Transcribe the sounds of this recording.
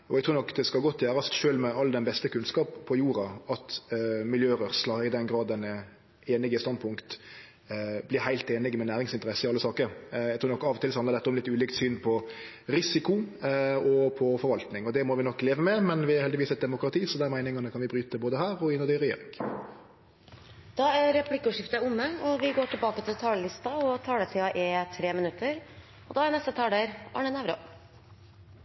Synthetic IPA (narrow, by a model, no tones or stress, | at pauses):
ɔɛɡ̚t̪ʰɾuːɾnɔkːd̪ɛskɑɡɔt̪ʰːjæːɾɑst̪ʃøːlmɛɑlːəd̪ɛnbɛst̪əkʰʉnskɑːppʰːɔjuːɾɑɑt̪mɪljøːɾœʁslɑɪd̪ɛnɡɾɑːd̪ːɛnə | eːnɪɡəst̪ɑnd̪̚pʰʊŋkt̪ | blɪɾhæɪlt̪eːnɪɡmɛnæːɾɪŋsɪnt̪əɾɛsːəɪɑlːəsɑːkəɾæɡt̪ʰuːɾnɔkːɑʋɔt̪ɪlshɑnəd̪ɛt̪ːəɔmlɪt̪ːʉːlɪkt̪syːnpʰɔ | ɾɪsɪkʊ | ɔpʰɔfɔɾʋɑlt̪nɪŋɔd̪ɛmɔʋɪnɔkːleːʋəmɛmɛnʋɪæɾɛlɪʋiːsɛt̪̚d̪ɛmʊkɾɑt̪ʰiːsɔd̪æɾmæɪnɪŋɑnəkʰɑnʋɪbɾyːt̪əd̪ɛboːd̪əɦæːɾɔɪnəd̪ɛɾɛjḛːɾɪŋ | d̪̥ɑːæɾɾɛpʰlɪkːʉʂɪft̪əʊmːəɔʋɪɡoːʈʰɪlbɑːkət̪ʰɪlt̪ʰɑːləlɪst̪ɑɔt̪ʰɑːɖɛt̪ʰɪɑʔɛt̪ʰɾeːmɪnʉt̪ʰːəɾ | ɔd̪ɑːænɛst̪ət̪ʰɑːɖeɾʔɑ̰ɳənæːʋɾo̰ː